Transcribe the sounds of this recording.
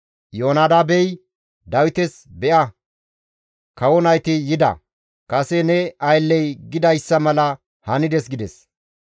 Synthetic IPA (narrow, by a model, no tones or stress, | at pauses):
joːnaːd̪aːbɛj | d̪ɐwɪt̪ɛsbɛʔɐ | kɐwɔnɐjt̪ɪːɪd̪ɐ̰ | kɐsɛnɛɐjlːɛjɡɪd̪ɐjsːɐmɐlɐ | hɐnɪd̪ɛs̬ɡɪd̪ɛs